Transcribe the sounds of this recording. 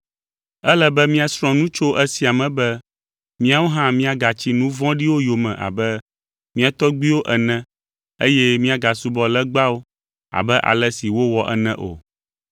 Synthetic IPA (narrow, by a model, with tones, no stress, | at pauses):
ɛ˦lɛ˦bɛ˦mĩ˦a˨sɾ̃ɔ̃˦nũ˦t͡ʃo˦ʔɛ˦si˦a˨mɛ̃˨bɛ˦ | mĩ˦a˦wo˦ɦã˦mĩ˦a˨ɡa˨t͡ɕi˦nũ˦vɔ̃˦ɖi˦wo˦jo˨mɛ̰̃˨ʔa̰˨bɛ˦ | mĩ˦a˨t̪ɔ˦ɡ͡bi˦wo˦ʔɛ˨nɛ̃˦ | e˦jɛ˦mĩ˦a˨ɡa˨su˦bɔ˨lɛ˦ɡ͡ba˦wo˦ | a̰˨bɛ˦ʔa̰˨lɛ˦si˨wo˦wɔ˨ʔɛ̰˦nɛ̃˦ʔo̰˨